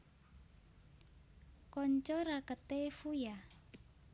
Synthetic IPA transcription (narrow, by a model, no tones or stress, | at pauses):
kɔɲt͡ʃɔrakət̪efuja